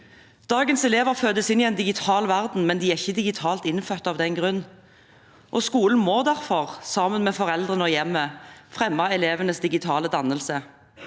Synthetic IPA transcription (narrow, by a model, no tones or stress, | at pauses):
d̪̥ɑːɡənsɛleːʋəʁføːd̪əsɪnɪɛnd̪ɪɡɪt̪ʰɑːlʋæʁd̪n̩mɛnd̪ɪæʁɪçːəd̪ɪɡɪt̪ʰɑːlt̪ɪnfœːt̪ɑʋd̪ɛnɡʁʉnː | ʔɔskuːln̩moːd̪æʁfɔʁsɑːmənmɛːfɔʁɛld̪ʁənəɔjɛmːəfʁɛmːɑɛleːʋənəsd̪ɪɡɪt̪ʰɑːləd̪ɑnːəlsə